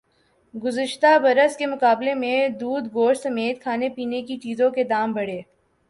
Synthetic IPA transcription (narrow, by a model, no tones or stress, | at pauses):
ɡʊzəʃt̪abɐɾəskemʊkaːblemẽd̪uːd̪ɡoːɾsɐmeːt̪̚kʰaːnepiːnekit͡ʃiːzõked̪aːmbɐɽ̤eː